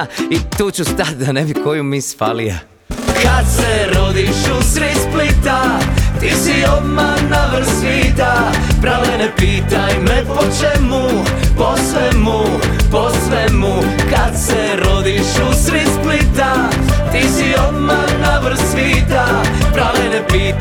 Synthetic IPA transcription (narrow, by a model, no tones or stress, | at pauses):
it̪uːt͡ʃust̪at̪̚ʲd̪anebikojumisfa̰lia̰ | kad̪sɛɾod̪iʃusɾisplit̪at̪iːsiod̪manaʋr̩sit̪a | pɾaʋɛenepiːt̪ajmɛpot͡ʃɛmu | posʋɛmu | posʋɛmu | kad̪sɛɾod̪iʃusɾisplit̪a | t̪isiod̪ma | naʋr̩siːt̪a | pɾaʋɛenɛpiː